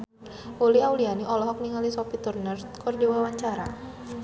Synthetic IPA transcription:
uliawlianiʔɔlɔɦɔk̚niŋalisɔpit̪urnərt̪̚kɔrdiwawaɲt͡ʃaɾa

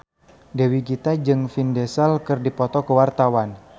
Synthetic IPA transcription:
dewiɡit̪ad͡ʒɨŋfindɛsalkɨrdipɔt̪ɔkəwart̪awan

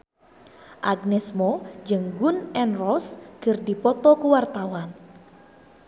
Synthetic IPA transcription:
ʔaɡnɛsmɔd͡ʒəŋɡunɛnrɔskɨrdipɔt̪ɔkuwart̪awan

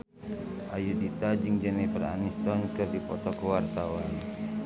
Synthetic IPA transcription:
ʔajudit̪ad͡ʒiŋd͡ʒɛnɛpəra̰nist̪ɔnkɨrdipɔ̰t̪ɔkɔwart̪awan

